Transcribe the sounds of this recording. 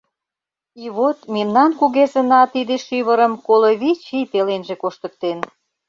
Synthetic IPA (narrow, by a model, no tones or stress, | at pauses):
iβot̪memnɑnkuɣezə̆nɑt̪id̪eʃyβəɾə̆mkoloβit͡ɕipelenʒekoʃt̪ə̆k̚t̪en